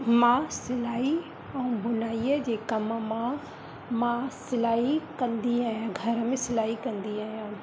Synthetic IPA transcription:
mãsɪlaːi | ɛ̃ũbʊnaːiəd͡ʑeːkɐmmã | mãsɪlaːikɐ̃nd̪iaːɦijãːɡʱɐɾəmẽsɪlaːɦikɐ̃nd̪iaːɦijãː

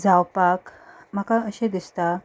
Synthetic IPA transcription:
d͡zawpak | m̤akãəɕẽd̪ist̪a

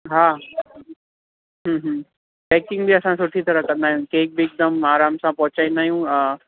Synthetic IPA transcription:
ɦaː | ɦə̃ːɦə̃ | pɛːkɪ̃ŋɡbiɐsãsʊʈʰit̪ʰɐɾəkɐ̃nd̪aːɦijũkeːk̚bɪːk̚d̪ɐmaːɾaːmsãpɐɦʊt͡ɕaːĩnd̪aːɦijũə̃

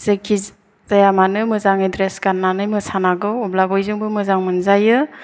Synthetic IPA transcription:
sekʰi | zajamanɯmɯzaŋidɾesɡanːanɯjmɯsanaɡɯɔblabɔjzɯŋbɯmɯzaŋmɯnzajɯ

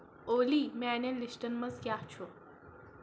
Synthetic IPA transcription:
oːlimɛ̃nẽlisʈənmɐzkʲjaɦt͡ʃʰo

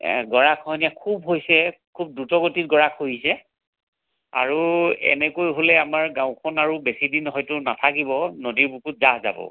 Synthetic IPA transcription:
ɡɔɹakʰhɔjnijakʰubɦojsɛkʰub̚dutɔɡotit̚ɡɔɹakʰhojisɛ | a̰ɹuɛ̰nɛkojɦolɛamaɹɡãʊ̃kʰɔnaɹubesidinɦɔjtʊnatʰakibɔnodiɹbukut̚zaɦza̰bɔ̰

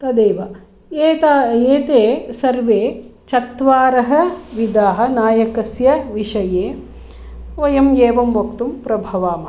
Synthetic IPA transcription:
t̪ɐd̪eːʋɐ | eːt̪ːeːt̪eːsɐɾʋeːt͡ʃɐt̪ʋaːɾɐɦɐ̆ʋid̪aːɦɐ̆naːjɐkɐsjɐʋiʂɐjeː | ojɐmjeːʋɐmʋɐkt̪umpɾɐbʱɐʋaːmɐ

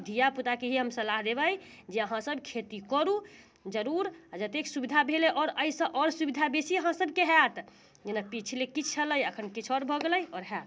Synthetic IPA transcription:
d̪ʱijaput̪akeɦiɦəmsəlaɦd̪ebəjd͡ʒeəɦãsəbkʰet̪ikɔɾu | d͡ʒəɾuɾad͡ʒət̪eksubid̪ʱabʱelɛʔɔːɾəisə̃ʔɔɾsubid̪ʱabesiəɦãsəbkeɦɛt̪ | d͡ʒenapit͡ʃʰlekit͡ʃʰələjəkʰənkit͡ʃʰɔɾbʱɔɡeləjɔɾɦɛt̪

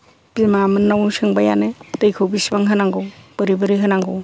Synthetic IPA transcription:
bimamɯnːawnsɯŋbaja̰nɯtɯjkʰɯwbisbaŋɦɯnaŋɡɔwb̥ɯɾibɯɾiɦɯnaŋɡow

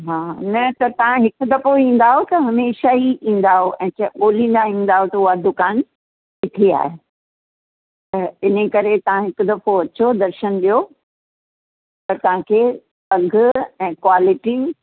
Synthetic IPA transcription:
ɦaːnɐt̪ɐt̪ɐʋ̤ãɦɪkʊ̆d̪ɐfoĩːn̆d̪aɦot̪ɐɦɐmeːʃaiʔĩːn̆d̪aɦoʔɛ̃ːt͡ɕɐɓoːlĩːn̆d̪aĩːnd̪aɦot̪ɐʊɦad̪ʊkaːn | kɪt̪ʰia̰ːɦe | t̪ɐɪn̤ekɐɾet̪ɐʋ̤ãɦɪkʊ̆d̪ɐfoɐt͡ɕod̪ɐɾʃənɗijo | pɐɾt̪ɐʋ̤ãkʰeː | pɐɡʱʊɛ̃ːkwaːlɪʈi

